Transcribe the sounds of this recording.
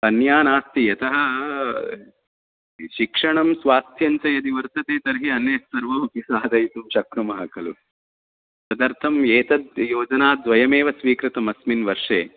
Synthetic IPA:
ɐnjaːnaːst̪ijɐt̪ɐɦɐ | ʃikʂɐɳɐmsʋaːst̪ʰjɐɲt͡ʃɐjɐd̪iʋɐɾt̪ɐt̪eːt̪ɐɾɦiɐnjɐstɐɾʋɐmɐkisaːd̪ɐjt̪umʃɐkɾɐmɐɦɐkɐlu | sɐd̪ɐɾt̪ʰɐmjeːt̪ɐd̪̚joːd͡ʒɐnaːd̪ʋɐjɐmeːʋɐsʋiːkɾɪt̪ɐmɐsminʋɐɾʂeː

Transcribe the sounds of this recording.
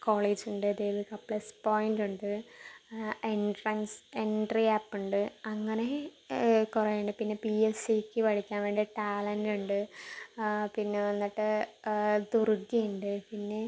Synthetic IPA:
koːɭeːd͡ʑuɳɖɨɐd̪ejðɨkɐpːlɐspo̞ːjnduɳɖɨ | eɳɖrɐnseɳɖriaːpːuɳɖɨɐŋːɐne̞ | kurɐjuɳɖɨpinːe̞pielsikʲːɨpɐɽikʲːaːnʋeːɳɖiɐʈaːlɐnduɳɖɨ | pinːe̞ʋɐnːiʈːɨ | d̪uruɡːijuɳɖɨpinːe̞

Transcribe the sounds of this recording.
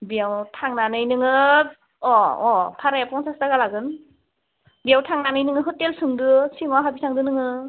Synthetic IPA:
bijawtʰaŋnanɯjnɯŋɯ | ɔɔpʰaɾajapɔŋsasdaɡalaɡɯn | bijawtʰaŋnanɯjnɯŋɯɦɯtelsɯŋdɯsiŋwaɦabisʰaŋdɯnɯŋɯ

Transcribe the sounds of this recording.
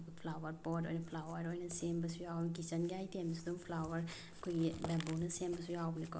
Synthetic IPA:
kpʰlawɐɾpoto̰jnɐpʰlawɐɾojnɐsembɐsujawnik̬isɐnɡiajtemsidumpʰlawɐɾ | ɐkʰojɡibɛbuwnɐsembɐsujawbniko

